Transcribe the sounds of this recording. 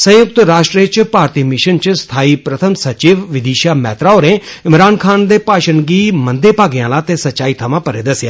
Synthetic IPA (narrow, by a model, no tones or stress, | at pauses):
sə̃jʊk̚t̪ɾaːʃʈɾiet͡ʃpaːɾt̪iːmɪʃənt͡ʃst̪ʰaːipɾɐt̪ʰəmsɐt͡ʃiːʋʋɪd̪iːʃaːmɛːt̪ɾaːoːɾẽɪmɾaːnkʰaːnd̪eːpaːʃənɡiːmə̃nd̪epaːɡɪjãːlãːt̪eːsɐtːt͡ʃːʃaːiːt̪ʰɐmãːpəɾed̪ɐsja̰ː